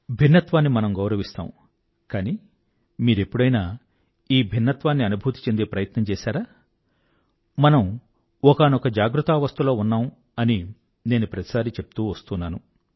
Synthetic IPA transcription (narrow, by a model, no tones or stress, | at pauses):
bʱinːɐt̪ʋaːnːimɐnɐmɡɐwɾɐʋist̪a̰ːmu | kaːni | miːɾe̞pːuɽɐjnaː | iːbʱinːɐt̪ʋaːnːiɐnubʱuːt̪i̥t͡ʃe̞nd̪eːpɾɐjɐt̪nɐmt͡ʃɛːsaːɾaː | mɐnɐm | ɔkaːnɔkɐd͡ʒaːɡɾut̪aːʋɐst̪ulo̞ːunːaːm | ɐni | ne̞ːnupɾɐt̪i̥saːɾit͡ʃe̞pu̥t̪uːʋɐst̪unːaːnu